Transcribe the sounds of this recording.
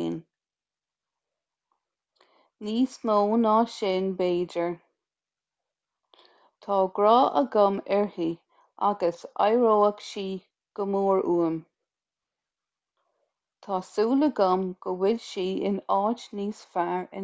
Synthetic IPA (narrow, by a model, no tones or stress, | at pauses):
n | niːsmoːnɑːʃɪːnbeːd͡ʒəɹ | t̪ʰɑːɡɹɑːʔə̰ɡamɛɹhi | ʔa̰ɡəsa̰jɹoːəkʃiː | ɡ̥əmoːɹuːəm | t̪ʰɑːsuːləɡamɡ̥əwɪdʃiːɪnɑːt͡ʃniːsfaɹɪ̰